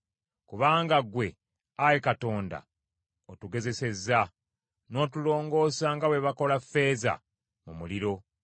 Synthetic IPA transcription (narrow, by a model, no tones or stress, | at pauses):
kuβaːŋɡaɡwe̞ | ajekato̞ːnda̰ | otuɡe̞ze̞se̞za | no̞ːtulo̞ːŋɡo̞ːsaŋɡawe̞βako̞lafːe̞ːza̰ | mumuliɾo̞